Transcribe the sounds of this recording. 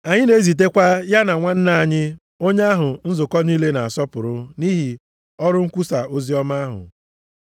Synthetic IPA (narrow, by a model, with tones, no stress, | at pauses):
a˨ɲɪ˦ne˨˦zi˨t̬e˦kʷa˦ja˦na˨ŋʷa˦n̩˦na˨a˨ɲɪ˦ | o˦ɲe˦a˦ɦʊ˨n̩˦zʊ˨kɔ˦ni˦le˦na˨a˨sɔ˦pʊ˨ɾʊ˦ni˦ɦi˨ | ɔ˦ɾʊ˦ŋ̩˦kʷu˦sa˨o˦zi˦ɔ˦ma˦a˦ɦʊ̰˨